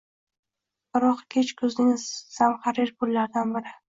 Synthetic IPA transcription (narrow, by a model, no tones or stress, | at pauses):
bɪɾɒqkʲʰet͡ʃkʰɵznɪŋsamχaɾɪɾpʰʊlːaɾd̪anbɪɾɪ